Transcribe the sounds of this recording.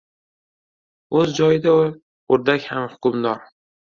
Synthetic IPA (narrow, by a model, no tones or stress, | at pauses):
ɵzd͡ʒɒjɪd̪aʊ | oɾd̪akʲhamhʊ̥kʊmd̪ɒɾ